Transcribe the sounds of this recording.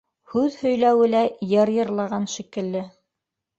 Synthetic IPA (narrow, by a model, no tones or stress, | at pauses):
hʉðhɵ̆jlæwɘlæjɤɾjɤ̆ɾlˠɑʁɑnʃikɘ̆lːɘ